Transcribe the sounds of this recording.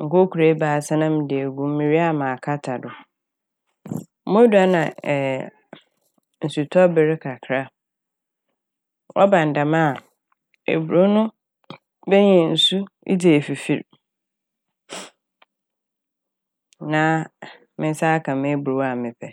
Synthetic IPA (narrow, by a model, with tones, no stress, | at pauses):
ŋ̩˨ko˦ku˨ɾe˨˦baː˨sa˦nã˦m˦dɪ˨e˨ɡũ˦m˦mĩ˨ɾi˦a˦mã˨kʰa˦tʰa˨dʊ˨˦ | mʊ̃˦du˨a˦nã˨ | n̩˨su˨tʰɔ˦bɪ˨ɾɪ˦kʰa˨kʰɾa˦ | wʔɔ̰˦bã˨n˨dã˨mã˦˨ | ḛ˨bu˨ɾo˦nʊ̃˦ | bɛ˦ɲɛ̃˨n̩˨su˦ | ḭ˦di˨e˨fi˨fi˦˨ɾ | nã˦ | mɪ̃˦n̩˦sa˦kʰã˨mɪ̃˦bu˨o˨˦a˨mɪ̃˨pʰɛ˨